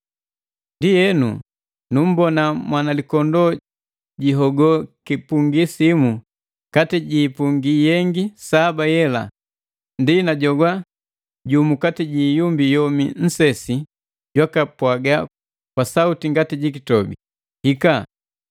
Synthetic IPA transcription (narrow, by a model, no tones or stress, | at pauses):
ndijɛnṵ | num̩bɔnamwanalikɔndɔ | ɟiɦɔɡɔkipuŋɡisimu | katiɟiːpuŋɡijɛŋɡisabajɛla̰ | ndinaɟɔɡwa | ɟumukatiɟiːjumbijɔmin̩sɛsi | ɟwakapwaɡa | kwasautiŋɡatiɟik̬itɔbḭ | hika